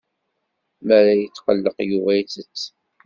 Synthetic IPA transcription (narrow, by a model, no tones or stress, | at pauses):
mæɾæjət͡sːqəlːəqjuvæjt͡sət͡sː